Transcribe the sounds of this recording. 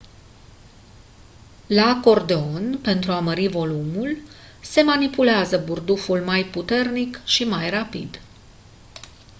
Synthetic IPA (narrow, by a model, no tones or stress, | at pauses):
lako̞rd̪eo̞npe̞nt̪ɾuaməɾivo̞lumul | se̞manipuleazəburd̪ufulmajput̪e̞rnikʃimajrapid̪